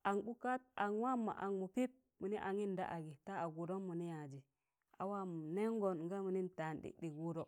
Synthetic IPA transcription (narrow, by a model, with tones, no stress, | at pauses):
ʔa˨nɡu˦ka˦t̚a˨nwa˦mːa̰˨ʔa˨ŋmu˨pi˦p̚ | mu˨ni˦ʔa˨ŋi˦nda̰˦ʔa˨ɡi˨ta˦a˨ɡu˨ɾo˦nmu˨ni˦ja˨d͡ʒi˨ | a̰˨wa˦m˨ne˦ŋɡo˨nŋɡa˦mu˨ni˦nta˨nɗḭ˨ɗi˨ɡu˦ɾo˦